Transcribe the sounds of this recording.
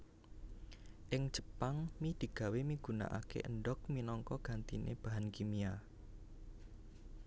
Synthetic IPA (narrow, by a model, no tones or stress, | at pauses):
ʔɪŋ̥ʒ̥ə̤paŋmid̪̥i̤ɡ̥a̤wemiɡ̥ṳna̰ʔa̰kḛʔənɖɔk̚minɔŋkɔɡ̥a̤nt̪inʔḛb̥a̤ɦankimia